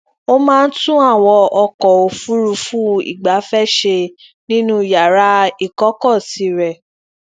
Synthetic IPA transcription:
o˦mãː˦n̩˦tũ˦a˦˨wɔ˧ɔ˧kɔ˨o˧fu˦ɾu˧fũ˦ḭ˨ɡ͡ba˨˦fɛ˦˨ʃe˧ | nĩ˦nũ˦˨ja˨ɾa˨˦i˨kɔ˦kɔ˦˨si˨˦ɾɛ˨

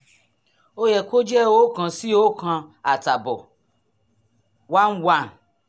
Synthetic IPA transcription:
o˦jɛ˨kʷo˦d͡ʒɛ˦wo˦kã˧si˦o˦kã˧a˨ta˨bɔ˨ | wa˦n̩˦wa˦n˨

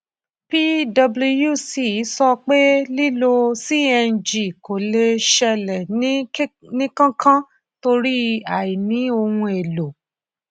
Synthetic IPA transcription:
pi˦dɔ˧blu˧ju˦˨si˨i˨˦sɔ˧k͡pe˦li˦lo˧si˦ɛ˧˦˨d͡ʒi˨ko˨le˧ʃɛ˧lɛ˨nĩ˦nĩ˦kã˦kʰã˦ | to˧ɾi˦a˨i˨nĩ˨˦o˧hũ˧e˨lo˨

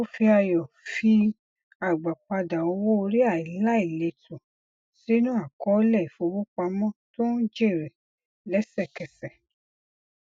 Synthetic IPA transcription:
o˦fi˧a˧jɔ˨ | fi˧ | a˨ɡ͡ba˨k͡pa˧da˨o˧wo˦o˧ɾi˦a˦˨i˨la˦i˨le˧˨tũ˨ | si˨˦nũ˦a˦˨kɔ˨˦lɛ˦˨i˨fo˧wo˦k͡pa˧mɔ̃˦to˦n̩˦d͡ʒe˦˨ɾɛ˨ | lɛ˨˦sɛ˦˨kɛ˨sɛ˨

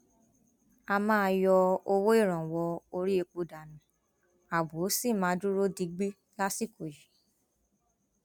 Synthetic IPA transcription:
a˧mãː˦˧jɔ˧o˧wo˦i˦˨ɾ̃ã˨wɔ˧o˧ɾi˦e˧k͡po˨˧da˨nũ˨ | a˨bo˨˦si˦˨mãː˨˦du˦ɾo˦di˨˦ɡ͡bi˦ | la˦si˦˨ko˨ji˨˦

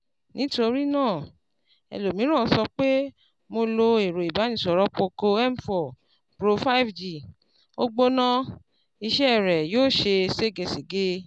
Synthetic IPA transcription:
nĩ˨˦to˧ɾi˦nãː˦˨ | ɛ̰˧lo˨mĩ˨˦ɾ̃ã˦˨˧sɔ˧k͡pe˦ | mo˧lo˧e˨ɾo˨i˨ba˨˦nĩ˧˦˨sɔ˨ɾɔ˦k͡po˧ko˧ɛ˦m̩˨fɔ˨ | pɾo˧fa˦˨fd͡ʒi˨ | o˦ɡ͡bo˦nã˦ | i˧ʃɛ˦ɛ˦˨ɾɛ˨joː˦˨ʃe˧se˦˨ɡe˧˨si˨ɡe˦

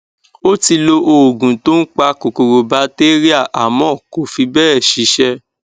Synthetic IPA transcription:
o˦ti˧lo˧ʔo˧˨ɡũ˨to˦n̩˦k͡pa˧ko˨ko˨ɾo˧ba˧˦te˦ɾi˦a˦˨ʔa˨mɔ̃˨˦˨ko˨fi˧bɛː˦˨ʃi˨˦ʃɛ˧

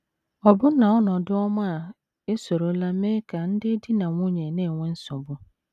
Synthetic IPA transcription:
ɔ˨bʊ˦nã˨ɔ˦nʊ̃˨dɪ˦ɔ˦mã˦˨ | e˦so˨ɾo˨˦la˦mẽ˦kʰa˨n̩˦dɪ˦di˦nã˨wʊ̃˦ɲɛ̃˨nɪ̃˦˨wʊ̃˦n̩˦sʊ̃˨bʊ˦

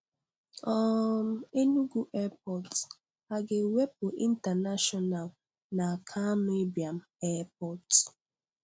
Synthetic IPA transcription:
ɔ˦˨m̩˨e˦nu˦ɡu˦ʔɛ˦p̚ɔ˨t | a˨ɡe˨we˦p̚ʊ˨ʔi˦n̩˦ta˨na˦ʃɔ˦na˨l | na˨kʰa˦me˦bi˨a˨m̩˨ɛ˦p̚ɔ˦t

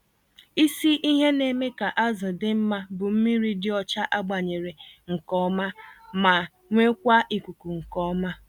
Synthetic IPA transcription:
i˦si˦ʔi˦ɦe˦ne˨me˦ka˨ʔa˦zɪ˨dɪ˦m̩˦ma˦bʊ˨m̩˦mi˦ɾi˦dɪ˦ɔ˨t͡ʃa˦ʔa˦ɡ͡ba˨ɲe˨ɾe˨ŋ̩˨kɔ˦ma˦ma˨ | ŋʷe˦kʷa˦ʔi˨kʷu˨ku˨ŋ̩˨kɔ˦ma˦

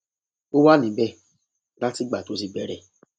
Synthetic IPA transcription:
o˦wa˦nĩ˨˦bɛ˦˨ | la˦ti˦ɡ͡ba˨to˨˦s̬i˧ɡ͡bɛ˨˦ɾɛ˧˨

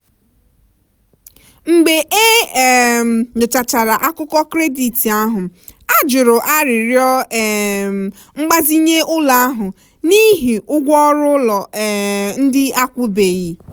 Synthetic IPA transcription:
ŋ͡m̩˨ɡ͡be˨ʔe˦˨ | ɲʊ˨t͡ʃa˨t͡ʃa˨ɾa˨ʔa˦kʊ˦kɔ˦kɾe˦di˨ti˨a˦ɦʊ˨a˦d͡ʒʊ˨ɾʊ˨ʔa˦ɾɪ˨ɾjɔ˦˨ | ŋ͡m̩˦ɡ͡ba˦zi˦ɲe˦ʊ˦la˨a˦ɦʊ˨ | ni˦ɦi˨ʊ˦ɡʷɔ˦ɾʊ˦lɔ˨ | n̩˦dɪ˦a˦kʷʊ˦be˨ɣi˨

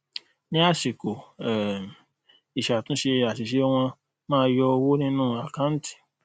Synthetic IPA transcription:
nĩ˦a˦˨ʃi˨ko˨ɛ˨ | i˨ʃa˨tũ˨˦ʃe˧a˨ʃi˨ʃe˨˦w̃ɔ̃˧ | mãː˦˧˦jɔ˧o˧wo˦nĩ˦nũː˦a˨kã˦n̩˦ti̥˦˨

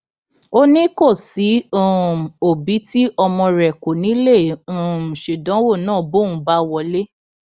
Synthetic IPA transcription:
o˦nĩ˦ko˦˨si˨˦ũ˦˨o˨bi˨˦ti˦ʔɔ˧mɔ̃˧ɾɛ˨ko˨nĩ˨˦lẽ˦˨˦ʃu˨dã˨˦wo˦˨nãː˦˨bo˦˨ũ˨˦ba˦wɔ˨˧˦le˦

